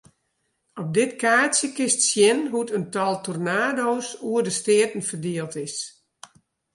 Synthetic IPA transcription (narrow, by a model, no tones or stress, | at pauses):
ɔp̚dɪtkaːsjəkɪstsjɪnɦutəntɔlˠtɔrnaːdoːsuərdəstɪətən̩fərdeːəlˠtɪs